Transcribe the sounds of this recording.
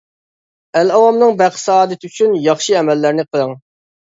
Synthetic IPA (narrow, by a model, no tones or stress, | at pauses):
ælɑwɑmnɨŋbæqʰsɑːd̪ɨt̪ʰyt͡ʃʰynjɑχʃiɛmɛlːæɾnɪqʰəlˠəŋ